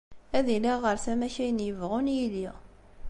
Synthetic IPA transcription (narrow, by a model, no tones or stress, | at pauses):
æðiliʁəɾθæmæçæjənjəvʁunjili